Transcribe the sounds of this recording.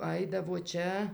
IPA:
ˈɐɪdɐʋoː ˈt͡ʃʲɛ

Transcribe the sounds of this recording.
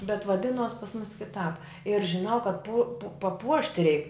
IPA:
bʲɛt ʋɐˈdʲɪnuɔs pɐs mʊs kʲɪˈtɑːp ɪr ʒʲɪˈnɐʊ kɐt pʊ pɐˈpuɔʃʲtʲɪ rʲɛɪk

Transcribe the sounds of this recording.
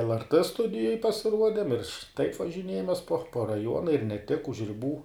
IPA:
lˠrt ˈstʊdʲɪjoːj pɐsʲɪˈruɔdʲɛm ɪr tɐɪp ʋɐʒʲɪˈnʲiɛjɛmʲeːs poː poː rɐˈjuɔnɐ ɪr nʲɛ tʲɪk ʊʃ rʲɪˈbuː

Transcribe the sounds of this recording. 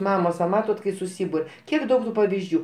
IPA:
ˈmɑːmoːs ʋɐ ˈmɑːtoːt kɐɪ sʊˈsʲiːbʊrʲ ˈkʲiɛk ˈdɐʊk tʊ pɐʋʲɪzʲˈd͡ʒʲuː

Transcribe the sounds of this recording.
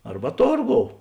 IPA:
ˈɐrbɐ ˈtoːrˌɡoːʊ

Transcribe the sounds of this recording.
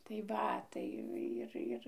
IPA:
tɐɪ ˈʋɐ ˈtɐɪ ˈɪr ˈɪr

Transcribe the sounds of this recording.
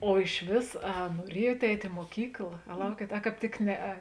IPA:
oː ɪʃʲˈʋʲeːs ɐ nuɔˈrʲiɛjuɔt ˈɛɪtʲ ɪ muɔˈkʲiːklˠɐ ɐ ˈlˠɐʊkʲiɛt ɐ ˈkɑːp tʲɪk ˈnʲæːˌɛ

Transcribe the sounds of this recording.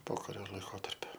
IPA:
ˈpoːkɐrʲoː lˠɐɪˈkoːtɐrʲpʲʊ

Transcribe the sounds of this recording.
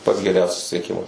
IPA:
pɐts ɡʲɛˈrʲɛʊ sʊsʲɪsʲiɛˈkʲɪmɐs

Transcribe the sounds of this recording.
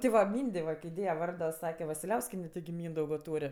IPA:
tʲɪ ˈʋɐ ˈmʲiːnʲdʲeː ʋɐ ˈkɐɪ ˈdʲeːjɛ ˈʋɐrdoː ˈsɑːkʲɛ ʋɐsʲɪlʲˈɛʊsʲkʲiɛnʲɛ tʲɪɡʲɪ ˈmʲiːndɐʊɡoː ˈtuːrʲ

